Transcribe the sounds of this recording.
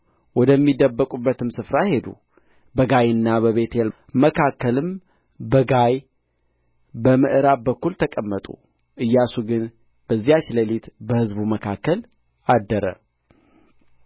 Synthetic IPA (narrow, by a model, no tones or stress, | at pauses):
wɔd̪əmːid̪əbːəkʼubːət̪ʰɨmsɨfɾahe̞d̪ṵ | bəɡajɨnːabəβe̞t̪ʰel | məkʰakːəlɨm | bəɡaj | bəmɨʔɨɾaβbəkːult̪ʰəkʼəmːət̪ʼṵ | ʔɨjːasuɡɨn | b̥əzːijat͡ʃləlit̪bəhɨzbuməkʰakːəl | ad̪ːəɾə̰